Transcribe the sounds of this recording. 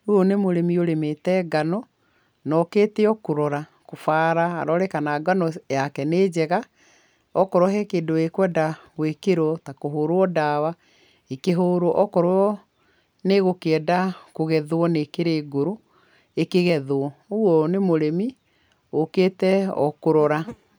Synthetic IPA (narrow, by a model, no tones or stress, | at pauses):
uɔnemoɾemioɾemetɛːɡanɔ | nɔkeːteɔkoɾɔɾa | kofaːɾa̰ːɾɔɾɛkanaɡanɔjakɛneːd͡ʑɛɣa | ɔkɔɾwɔɦɛkeːdoekwɛdaɣwekeɾwɔtakoɦoːɾoɔdawa | ekeɦoːɾoʔɔkɔɾwɔ | neɣokɛːdakoɣɛðoɔnekeɾeːɡoɾo | ekeɣɛðwɔoɔnemoɾemi | okeːtɛɔ̰koɾɔɾa